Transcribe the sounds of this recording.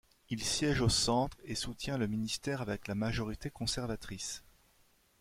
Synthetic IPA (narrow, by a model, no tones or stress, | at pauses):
ilsjɛʒosɑ̃t̪χesut̪jɛ̃ləminist̪ɛʁavɛklamaʒɔʁit̪ekɔ̃sɛʁvat̪χis